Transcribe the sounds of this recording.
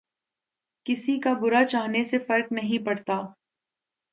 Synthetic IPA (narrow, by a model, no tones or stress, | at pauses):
kɪsikabʊɾat͡ʃaːɦnesefɐɾknɐɦĩpɐɽt̪aː